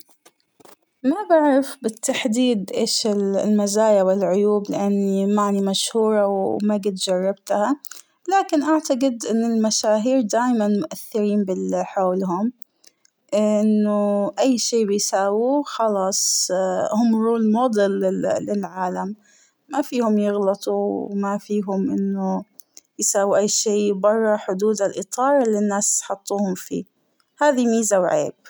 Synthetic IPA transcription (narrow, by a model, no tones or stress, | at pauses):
mabaʕɾafbɪt̪ʰːaħd̪iːd̪ʔeːʃɪllmazaːjawɪlʕʊjuːblɪʔanːimaʕnimaʃhuːɾˤɑwmaɡɪd̪d͡ʒɑrˤːɑbt̪ha | laːkɪnʔaʕt̪aɡɪd̪ʔɪnːɪlmaʃaːɦiːɾd̪aːjmanmʊʔaθːɪɾiːnbɪlħoːlɦʊm | ʔɪnːʊʔajːʃeːbɪjsaːwuxɑlɑːsˤhʊmːɾuːlmoːd̪ˤɪlɪlɪlʕaːlamː | afiːhʊmjɪɣlɑt̪ˤuwmafiːɦʊmʔɪnːʊjsaːwuʔajːʃeːbɑrˤːɑħʊd̪uːd̪alʔɨt̪ˤʰɑːɾˤɪlːɪnːaːsħɑt̪ˤːuːhʊmfḭː | haːðimiːzawʕḛːb̥̚